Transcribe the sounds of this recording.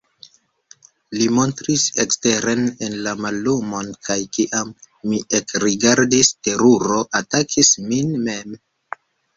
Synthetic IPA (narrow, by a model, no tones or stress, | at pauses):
limo̞ntɾisekste̞ɾe̞nenlamalːumo̞nkajkiʔamː | iʔekɾiɡaɾdiste̞ɾuɾo̞ʔatakʰisminme̞m